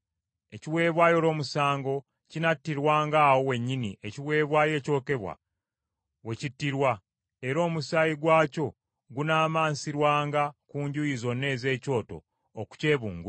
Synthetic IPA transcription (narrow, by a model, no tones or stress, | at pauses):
e̞ciwe̞ːβwaːjo̞ːlo̞ːmusaːŋɡo̞ | cinatːiɾwaːŋɡaːwo̞we̞ɲːiniʔe̞ciwe̞ːβwaːje̞ːco̞ːke̞βwa̰ | we̞citːiɾwa | e̞ɾo̞ːmusajiɡwaːco̞ | ɡunaːmaːnsiɾwaːŋɡakuːɲɟujizo̞ne̞ːze̞ːco̞ːto̞̰ː | ku̥ce̞ːβuːŋɡu